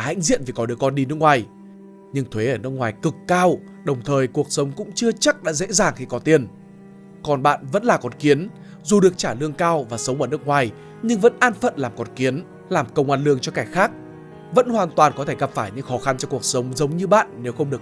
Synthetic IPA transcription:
ha̰˧˥jŋ̟zḭ˧˨nvi˨˩kɔ˨˦ɗɨ˨˩əkːɔ˧nɗi˧nɨ˦˥ək̚ŋwaː˨˩j | ɲɨ˧ŋt̪ʰwe˨˦ʔəː˧˩nɨ˦˥kŋwaː˨˩jkɨ˨˩kːaː˧w | ɗə˨˩wŋ͡mt̪ʰəː˨˩jku˨˩ək̚sə˨˦wŋ͡mkʊ̰˧˥ŋ͡mt͡ɕɨ˧ət͡ɕa˦˥k̚ɗa̰ː˧˥zḛ˧˥zaː˨˩ŋxi˧kɔ˨˦t̪i˨˧˩ən | kɔ˨˩nɓa̰ː˧˨nvə̰˧˥nlaː˨˩kɔ˨˩nki˨˦ən | zu˨˩ɗɨ˨˩ək̚t͡ɕaː˧˩lɨ˧əŋkaː˧wvaː˨˩sə˨˦wŋ͡mʔəː˧˩n˦˥kŋwaː˨˩j | ɲɨ˧ŋvə̰˧˥nʔaː˧nfə̰˧˨nlaː˨˩mkɔ˨˩nki˨˦ən | laː˨˩mkə˧wŋ͡mʔaː˧nlɨ˧əŋt͡ɕɔ˧kaː˧˩jxaː˦˥k̚ | və̰˧˥nhwaː˨˩nt̪waː˨˩nkɔ˨˦t̪ʰe˧˩ɣə˨˩p̚faː˧˩jɲɨ̰˧˥ŋxɔ˨˦xa˧nt͡ɕɔ˧ku˨˩ək̚sə˨˦wŋ͡mzə˨˦wŋ͡mɲɨ˧ɓa̰ː˧˨nːe˨˦wxə˧wŋ͡mɗɨ˨˩ək

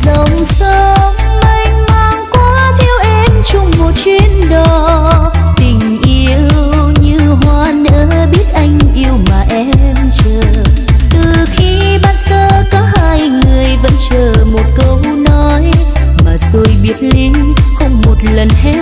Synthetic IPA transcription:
zə˨˦wŋ͡msə˧ŋma˧˩jŋmaː˧˨˩ŋkwaː˧˦t̪ʰi˧əwʔɛ˧mt͡ɕʊ˧ŋ͡mmo˨˩t̚t͡ɕwi˧nɗɔ˨˩˦ | t̪ï˨˩ŋ̟ʔi˧əwwɲɨ˧ɦwaː˧˩nə̰ː˧˦ | ɓi˦˥ət̚ʔa˧jŋ̟ʔi˧əwmaː˨˩ʔɛ˧˥mt͡ɕəː˨˩t̪ɨ˨˩xi˧ | ɓaː˧˩nsəː˧kɔ˨˦haː˧jŋɨ˨˩əjvə̰˧˥nt͡ɕəː˨˩mo˨˩t̚kə˧w | nɔ˨˦j | maː˨˩so˧jɓi˦˥ət̚li˧˦n | xə˧wŋ͡mmo˨˩t̚lə˨˩nhɛ˧˦˥

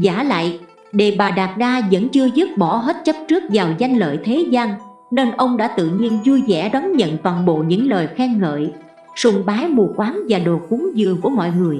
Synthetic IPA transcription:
za̰ː˧˩la̰ː˧˨j | ɗe˨˩ɓaː˨˩ɗaː˨˩p̚ɗaː˧zə̰˧˥nt͡ɕɨ˧əzɨ˦˥p̚ɓɔ˧˩ɦeː˦˥t̚t͡ɕə˦˥p̚t͡ɕɨ˦˥ək̚zaː˨˩wza˧jŋ̟lə̰ː˧˨jt̪ʰe˨˦zaː˧n | ne˧nʔə˧wŋ͡mɗa̰ː˧˥t̪ɨ̰˧˨ɲi˧ənzu˧jzɛ̰˧˩ɗɔ˨˦nɲə̰˧˨nt̪waː˨˩nɓo̰˧˨ɲɨ̰˧˥ŋləː˨˩jxɛ˧ŋːə̰ː˧˨j | sʊ˨˩ŋ͡mɓaː˨˦jmu˨˩kwaː˨˦nvaː˨˩ɗo˨˩ku˨˦əŋzɨ̰˧˨əku˧˩əmɔ̰˧˨jŋɨ˨˩əj

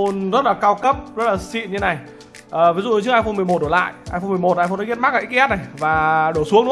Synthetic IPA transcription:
o˧nzə˦˥t̚laː˨˩kaː˧wkə˦˥p̚zə˦˥t̚laː˨˩sḭ˧˨nɲɨ˧˦na˨˩j | ʔəː˨˩vi˨˦zṵ˧˨˩t͡ɕɨ˧˥kʔaː˧jfo˧nmɨ˨˩əmo˨˩t̚ɗo˧˩la̰ː˧˨jʔaː˧jfo˧nmɨ˨˩əjmo˨˩t̚ʔa˧jfo˧nː˨˦˥ət̚ma˦˥k̚ʔaː˧ʔk̚ʔɛ˦˥na˨˩jvaː˨˩ɗo˧˩su˨˦əŋnṵ˧˥

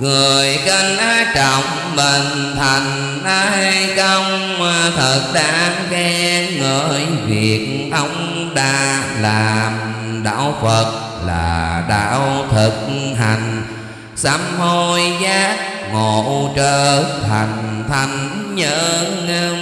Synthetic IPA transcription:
ŋɨ˨˩əəəjkə˧nʔaː˧t͡ɕɔ˧˨wŋ͡m | ɓə˨˩n | t̪ʰa˨˩jŋ̟ | ʔa˧kə˧wŋ͡m | maː˨˩t̪ʰə˨˩t̚ɗaː˧˥ | kɛ˧ŋəː˧˨˦jvi˨˩ək̚ | ʔə˧wŋ͡m | ɗaː˧ | laː˨˩˨mɗa̰ː˧˥wfə˨˩t̚ | la̰ː˨˩ɗa̰ː˧˥wt̪ʰɨ˨˩k̚ɦa˨˩jŋ̟ | sa˧mho˧jzaː˦˥ | ŋo˧˨t͡ɕəː˧˩t̪ʰa˨˩jŋt̪ʰa˨˩jŋ̟ɲəː˧˥ŋə˧

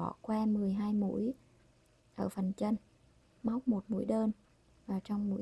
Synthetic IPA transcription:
ɔ̰˧˩kwaː˧mɨ˨˩əjɦaː˧jmṵ˧˥əj | ʔəː˧˩fə˨˩nt͡ɕə˧n | ma˦˥wk͡p̚mo˨˩t̚mṵ˧˥əjɗəː˧n | vaː˨˩t͡ɕɔ˧wŋ͡mmṵ˧˥

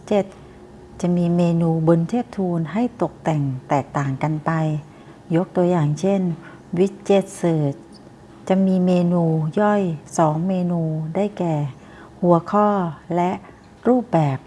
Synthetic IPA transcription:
t͡ɕe˧˩t̪̚ | t͡ɕa˨˩miː˧meː˧nuː˧bo˧nt̪ʰeː˥˩p̚t̪ʰuː˧nɦa˥˩jt̪o˨˩k̚t̪ɛ˨˩ŋt̪ɛː˨˩k̚t̪aː˨˩ŋka˧npa˧j | jo˦˥k̚t̪u˧ɐjaː˨˩ŋt͡ɕʰe˥˩n | wi˦˥t̪̚t͡ɕe˧˩t̪̚sɤː˨˩t̪̚ | t͡ɕa˨˩miː˧meː˧nuː˧jɔ˥˩jsɔː˩˦ŋmeː˧nuː˧daː˥˩jkɛː˨˩ | hu˨˩˦ɐkʰɔː˥˩lɛ˦˥ʔ | ɾuː˥˩p̚bɛː˨˩p̚

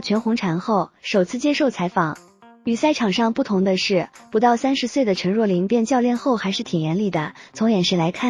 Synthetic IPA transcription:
t͡ɕʰɥɛ˧˥nxʊ˧˥ŋʈ͡ʂʰa˧˥nxo˥˩ʊʂo˨˩ʊt͡sʰɹ̩˥˩t͡ɕjɛ˥ʂo˥˩ʊt͡sʰa˧˥ɪfɑ˨˩˦ŋ | y˨˩sa˥˩ɪʈ͡ʂʰɑ˨˩ŋʂɑ˥˧ŋpu˥˩t̪ʰʊ˧˥ŋd̪ə˧ʂɻ̩˥˩pu˧˥t̪ɑ˥˩ʊsa˥nʂɻ̩˧˥swe˥˩ɪd̪ə˩ʈ͡ʂʰɤ˧˥ŋɻwɔ˥˩li˧˥ŋpjɛ˥˧nt͡ɕjɑ˥˧ʊljɛ˥˧nxo˥˩ʊxa˧˥ɪʂɻ̩˥˩t̪ʰi˨˩jɛ˧˥nli˨˩d̪ə˦t͡sʰʊ˧˥ŋjɛ˨˩nʂɻ̩˥˩la˧˥ɪkʰa˥˩

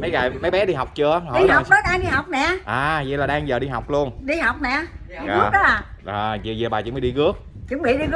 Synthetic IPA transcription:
mə˨˦jɣaː˨˩jmə˨˦jɓɛ˨˦ɗi˧ɦa˨˩wk͡p̚t͡ɕɨ˧əʔaː˨˦˨ɗi˧˨˧ɦa˨˩˧k͡p̚ɗɔ˨˦jɗaː˧ŋɗi˧ɦa˨˩wk͡p̚nɛ̰˧˨ʔaː˨˩zɛ̰˧˨˦laː˨˩ɗaː˧ŋzəː˨˩ɗi˧ɦa˨˩wk͡p̚lu˧ənɗi˧ɦa˨˩wk͡p̚nɛ̰˧˨˧ | ɣ̚ɗɔ˨˦a˨˩ʔaː˨˩zzi˨˩ɓaː˨˩ɨ̰˨˦mi˧˨˦ɗi˧ɣɨ˦˥ək̚ | t͡ɕɨ˨˦ŋŋ͡mɓḭ˧˨˦ɗi˧ɣ

